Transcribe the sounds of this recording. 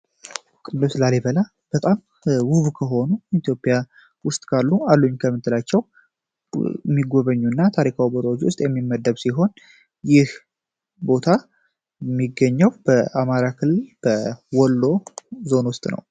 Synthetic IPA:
kʼɨlːɨslaleβəla | b̥ət̪ʼam | wuhβkʰəɦo̞nuit̪ijo̞pʼija | wʊst̪ʼkʰalːualːuɲkʰəmːɨt̪ʰːɨlat͡ʃːɛw | mːiɡo̞βəɲːunːat̪ʰaɾikʰawiboɾəwot͡ʃːwʊ̰st̪ʼjɛmːimːəd̪ːəβsiɦo̞n | jɪh | bo̞t̪ʰa | mːiɡːəɲːɛwb̥əʔamaɾakʰɨlːɨlb̥əwɔlːo̞zo̞nwʊst̪ʼnə̰w

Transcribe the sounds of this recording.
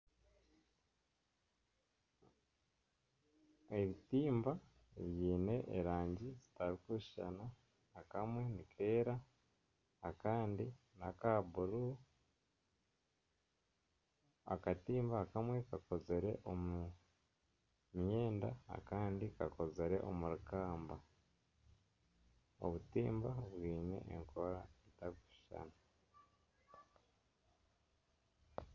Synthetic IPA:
eɾitiːmba | ɾjiːne̞ʔːɾaːɲɟizi̥taɾikuʃi̥ʃa̰naː | kamwe̞nikʰe̞ːɾaː | kaːndi | nakabuɾu | a̰katiːmbakamwe̞kako̞ze̞ɾe̞̰ʔomu | mje̞ːndaa̰kaːndikako̞ze̞ɾe̞ʔo̰muɾukaːmba | o̰βutiːmbaβwiːne̞̰ʔːŋkʰoɾaitaβii̥ʃa̰na

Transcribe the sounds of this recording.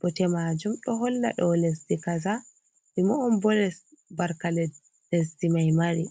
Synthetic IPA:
ɓɔtɛmad͡ʒumɗɔɦɔlːa̰ɗɔlesdikaza | bimɔːmbɔlɛs | baɾkalɛ | les̬dimajmaɾi

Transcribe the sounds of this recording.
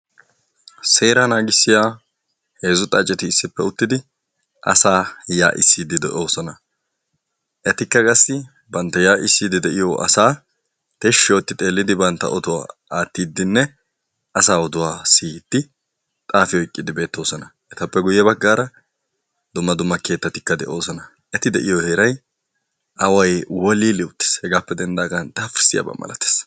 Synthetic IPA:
se̞ːɾanaːɡɪsːɪjaː | he̞ːzʊt̪ʼɐt͡ʃʼɛt̪ɪːsːɪpːɛʊt̪ːɪd̪ɪ | ʔɐ̰saːja̰ːʔɪ̰sːiːd̪ɪd̪ɛʔoːsɔnɐ | ʔɛt̪ɪkːɐkʼɐsːɪ | bɐnt̪ːɐjaːʔɪsːiːd̪ɪd̪ɛʔɪjoʔɐ̰saː | t̪ɛʃːɪjoːt̪ːɪt̪ʼe̞ːlːɪd̪ɪbɐnt̪ːɐ̰ʔɔd̪ʊwa̰ːaːt̪ːiːd̪ːɪnːɛ | ʔɐsaːɔd̪ʊwaːsiːd̪̥ːɪ | t̪ʼaːfɪjɔɪkʼːɪd̪ɪbe̞ːt̪ːo̞ːsɔnɐʔɛt̪ɐpːɛɡʊjːɛbɐɡːaːɾɐ | d̪ʊmːɐd̪ʊmːɐke̞ːt̪ːɐt̪ɪ̥kːɐd̪ɛ̰ʔo̞ːsɔnɐ | ʔɛt̪ɪd̪ɛʔɪjoheːɾɐj | ʔɐwɐjwɔliːlɪʊt̪ːɪ̥shɛɡaːpːɛd̪ɛnd̪aːɡɐnt̪ɐfɪɾsɪja̰bɐ̰mːɐ̰lɐ̰t̪e̥ːs

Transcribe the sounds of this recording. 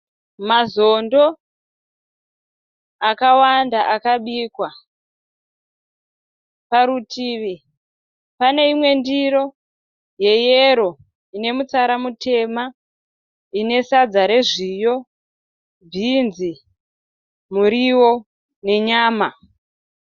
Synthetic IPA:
mazo̞ndo̞ | akawandaʔakaɓiːkwa | paɾutʰiːʋi | pane̞imwe̞ndiɾo̞ | je̞jeɾo̞ | ine̞mut͡saɾamutʰe̞ma | ine̞sad͡zaɾe̞ʐijo̞ | bʱinzi | muɾiwo̞ | ne̞ɲaːma

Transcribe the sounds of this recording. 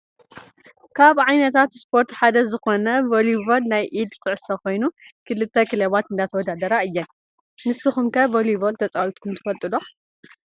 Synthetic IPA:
kʰaβʕajnɐt̪ʰat̪spʰo̞ɾt̪ħad̪ɐzɨxo̞nɐvolibolnajʔid̪kʰɨʕɨsɐko̞jnukʰɨlɨt̪ʰːɐkʰɨleβat̪ɨnd̪at̪ʰɐwɔd̪ad̪ɐɾaɨjːɐ | nɨsːɨxumkʰɐvolibolt̪ʰɐt͡sʼawit̪kʰumt̪ʰɨ̥fɐlt̪ʼɨlo

